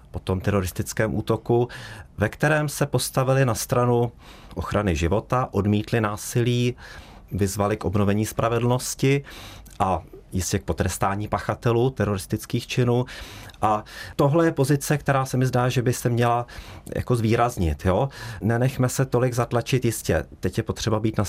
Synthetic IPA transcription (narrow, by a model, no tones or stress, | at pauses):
po̞t̪o̞mt̪ɛɾo̞ɾɪst̪ɪt͡skɛːmʔṵːt̪o̞kuvɛkt̪ɛɾɛːmsɛpo̞st̪avɪlɪnast̪ɾanu | ʔo̞xɾʔanɪʒɪvo̞t̪aʔo̞dmiːt̪lɪnaːsɪliː | vɪzvalɪkʔo̞bno̞vɛɲiːspɾʔavɛdl̩no̞scɪʔajɪscɛk̚po̞t̪ɾɛst̪aːɲiːpaxat̪ɛluːt̪ɛɾo̞ɾɪst̪ɪt͡skiːxt͡ʃɪnuːʔat̪o̞ɦlɛjɛpo̞zɪt͡sɛk̚t̪ɛɾaːsɛmɪzdaːʒɛbɪsɛmɲɛlajʔa̰ko̞zviːɾazɲɪt̪joːnɛnɛxmɛsɛt̪o̞lɪɡzat̪lat͡ʃɪt̪jɪscɛ̰t̪ɛcjɛpo̞t̪r̝̥ɛbabiːt̪na